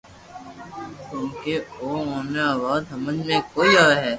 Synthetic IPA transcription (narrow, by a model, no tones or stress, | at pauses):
k̪õːkeoːõːneaːʋaːd̪ɦəməd͡ʒmẽkoːiaːeɦɛː